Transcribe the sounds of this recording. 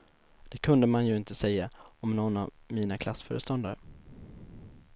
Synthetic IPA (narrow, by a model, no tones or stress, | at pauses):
d̪̥ɛkʰɵnd̪əmanjɵɪnt̪əsɛjːaɔmnɔnːavmiːnakʰlasfœ̰ːɾəst̪ɔnd̪aɾə̰